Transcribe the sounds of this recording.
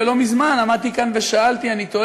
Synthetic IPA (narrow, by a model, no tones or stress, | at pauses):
elo̞mizmanamad̪̚t̪ikanveʃaalt̪ianit̪o